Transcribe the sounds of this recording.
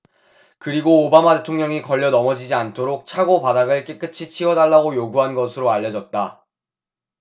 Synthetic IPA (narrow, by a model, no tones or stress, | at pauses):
kɯɾiɡoːbamate̞tʰoŋɲʌŋikʌʎːʌnʌmʌd͡ʑid͡ʑiantʰoɾok̚t͡ɕʰaɡopadaɡɯɭk͈ek͈ɯt͡ɕʰit͡ɕʰiwʌdaɭːaɡojoɡuɦanɡʌsʰɯɾoaʎːʌd͡ʑʌt̚t͈a